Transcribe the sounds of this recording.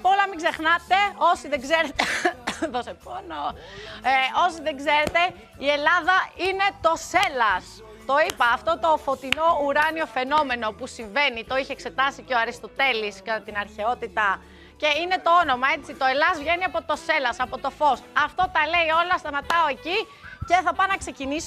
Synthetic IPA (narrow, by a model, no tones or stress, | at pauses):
polɐmiɡze̞xnɐt̪e̞osiðeɡzeɾet̪eðosepono | eo̞siðeɡze̞ɾe̞t̪e̞ | ie̞lɐðɐine̞t̪o̞selɐs | t̪o̞ipɐːft̪o̞t̪o̞fo̞t̪ino̞uɾɐnio̞fe̞no̞me̞no̞pusiɱve̞nit̪o̞içeːkse̞t̪ɐsiceoɐɾist̪o̞t̪e̞liskɐt̪ɐt̪inɐɾçe̞o̞t̪it̪ɐ | ce̞ine̞t̪o̞o̞no̞mɐe̞t͡sit̪oe̞lɐzvʝe̞niɐpo̞t̪o̞se̞lɐsɐpo̞t̪o̞fo̞st̪̚ɐft̪o̞t̪ɐle̞io̞lɐst̪ɐmɐt̪ɐoe̞ci | ce̞θɐpɐnɐkse̞ciniso